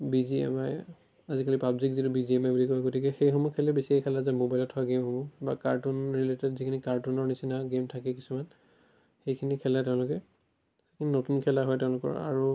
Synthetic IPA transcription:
biziɛ̰maj | azikalipabzikzitubiziɛmajbulikɔɛɡotikɛxejxɔmɔkʰɛlɛbesiɛkʰɛlazɛmobajlɔtʰhɔaɡemhobɔbakaɹtunɹiletɛtzikʰinikaɹtunɔɹnisinaɡemtʰakɛkisuman | xejkʰinikʰɛlɛtɛʊ̃lʊkɛ | ekʰininotunkʰɛlaɦɔjtɛʊ̃lʊkɔ̰ɹa̰ɹu

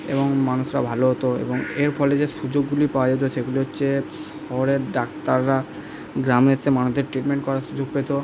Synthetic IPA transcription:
ḛβoŋmanuʃɾabʱaloɦot̪oḛboŋeɾfʰɔled͡ʑeʃud͡ʑoɡːulipaoad͡ʑot̪̬oʃeɡuliɦotːɕʰes | ɔoɾeɾɖakt̪aɾːa | ɡɾamet͡ɕʰemanud̪eɾʈɾiʈmeɳʈkɔɾaʃud͡ʑoɡ̚pet̪o

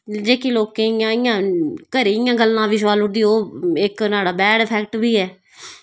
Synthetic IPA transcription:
d͡ʒeːkiːloːkẽɪjãːɪjãːkəɾiːɪjãːɡəlːãːʋiːs̬ʋaːlʊʈd̪iːoːɪknaːɽaːbɛːɖəpʰɛːk̚ʈbiːɛː

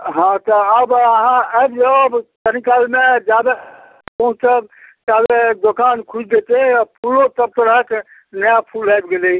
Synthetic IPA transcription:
ɦãt̪ɔəbəɦãəbd͡ʒəbt̪ənikalmed͡ʒad̪a | pə̃ɦũt͡ʃt͡ʃəb̚t͡ʃad̪ed̪okankʰud͡ʒd̪et̪epʰulot̪əb̚t̪əɾəək | nəjapʰulajbɡelei

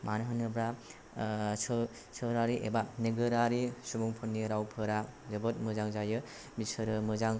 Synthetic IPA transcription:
manɦɯnɯbɾa | s | sɯɾaɾiʔebaneɡɯɾaɾisubuŋpʰɯnːiɾawpʰɯɾazɯbɯt̚mɯzaŋzajɯ | bisɯɾɯmɯzaŋ

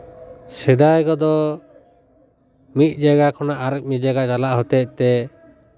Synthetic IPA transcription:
sɛd̪ajɡɔd̪ɔ | mit̪̚ˀd͡ʒaɡakʰɔnaʔaɾək̚mɛd͡ʒaɡat͡ʃalaʔɦɔt̪ɛt̪ɛ

